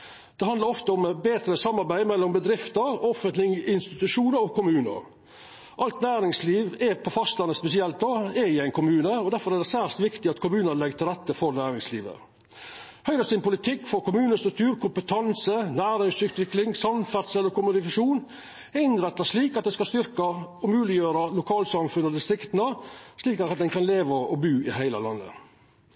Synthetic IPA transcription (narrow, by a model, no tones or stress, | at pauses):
d̪̥ɛɦɑnd̪əɾɔft̪əʊmbeːt̪ɾəsɑmːɑɾbæɪmɛlːɔmbəd̪ɾɪft̪əɾɔfənt̪lɪŋɪnst̪ɪt̪ʉʂuːnəɾɔkʰʊmʉːnə̰ɾ | ʔɑlt̪næːɾɪŋsliːʋɛpʰɔfɑst̪lɑnːəspɛsɪɛlt̪̚oɛɾɪæɪnkʰʊmʉːnəɔd̪æɾfɔɾæd̪ɛsæːst̪ʋɪkt̪ɪɑt̪kʰʊmʉːnənlɛɡt̪ʰɪlɾɛt̪ːəfɔɾnæːɾɪŋsliːʋə̰ | hœʏɾəsɪnpʊlɪt̪ʰɪkːfɔkʊmʉːnəst̪ɾʉk̚t̪ʰʉːɾkʰʊmpət̪ʰɑnsənæːɾɪŋsʉːt̪ʋɪklɪŋsɑmfæɾt̪sɛlɔɾkʊmʉnɪkɑʂuːn | ɛɪnɾɛt̪ːɑʂliːkɑt̪̚d̪ɛskɑst̪ʏɾkɑɔmʉːlɪjøːɾɑlʊkʰɑːlsɑmfʉnːɔd̪ɪst̪ɾɪkt̪ənəsliːkɑt̪ɑt̪̚d̪ɛnkʰɑnleːʋəɔɔbʉːɪhæɪlə̰lɑ̰nːə̰